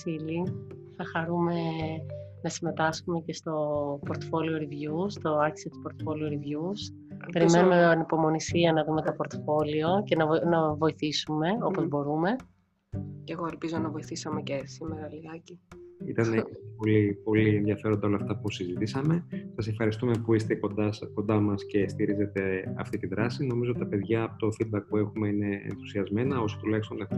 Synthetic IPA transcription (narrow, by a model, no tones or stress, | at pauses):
siliθɐxɐɾume̞ | nɐsime̞t̪ɐsxume̞ce̞st̪o̞poɾt̪ofo̞lioɾivʝust̪o̞ɐçi̥sit̪i̥spo̞ɾt̪o̥fo̞lioɾivʝus | pe̞ɾimmenumenipo̞mo̞nisiɐnɐðume̞t̪opo̞ɾt̪ofo̞lio̞ce̞nɐvnɐvo̞iθisume̞o̞po̞zbo̞ɾume̞ | ceɣo̞elpizo̞nɐvo̞iθisɐme̞cesimeɾɐliɐciit̪ɐneiolipo̞lienðjɐfe̞ɾo̞nd̪ɐo̞lɐːft̪ɐpusizit̪isɐme̞sɐsefxɐɾist̪ume̞puist̪e̞kod̪ɐsko̞nd̪ɐmɐsce̞st̪iɾize̞t̪e̞ɐ̰ft̪it̪iðɾɐsino̞mizot̪it̪ɐpe̞ðʝɐːpot̪o̞fid̪̚bɐk̚pue̞xume̞ine̞̰ːnθu̥siɐzme̞nɐo̞sot̪ulɐçst̪od̪e